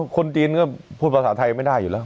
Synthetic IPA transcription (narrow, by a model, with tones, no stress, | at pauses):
kʰo˧nt͡ɕiː˧nkɔː˥˩pʰuː˥˩t̪̚pʰa˧saː˩˦˥t̪ʰa˧jma˥˩jdaː˥˩jːuː˨˩lɛː˦˥w